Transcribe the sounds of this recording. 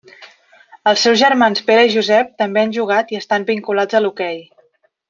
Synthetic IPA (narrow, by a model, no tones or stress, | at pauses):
əlˠsːɛwzʒəɾmanspeɾəiʒuzɛp̚t̪əmbeanʒuɣ̞at̪iəst̪ambiŋkulad͡zəlukɛj